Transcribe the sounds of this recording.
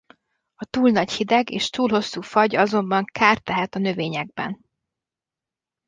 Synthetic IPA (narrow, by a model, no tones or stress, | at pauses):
ɒt̪uːlnɒchid̪ɛɡḛːʃt̪uːlho̞sːuːfɒɟɒzo̞mbɒŋkʰaːrt̪ɛɦɛt̪ɒnø̞veːɲɛɡ̚bɛ̰n